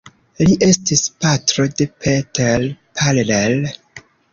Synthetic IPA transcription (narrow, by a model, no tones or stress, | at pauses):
liʔe̞stispatɾo̞depʰetelpʰallel